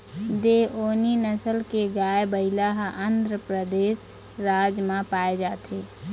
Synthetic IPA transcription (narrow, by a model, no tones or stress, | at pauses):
d̪eʔoːninəsəlkeɡaːebəɪlaɦənd̪ɾəpɾəd̪eːʃ | ɾaːd͡ʒmãpaːed͡ʒaːt̪ʰeː